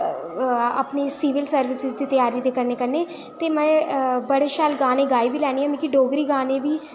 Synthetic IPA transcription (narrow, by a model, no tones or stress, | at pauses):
ə̰pneːsiːʋɪlsəɾʋɪsɪzd̪iːt̪əjaːɾiːt̪eːkəɾneːkəɾneː | t̪eːmɛ̃ːbəɽeʃaːlɡaːnẽːɡaːibiːlɛːɽ̃iːãːmẽːkiɖoːɡɾiːɡaːneːbiː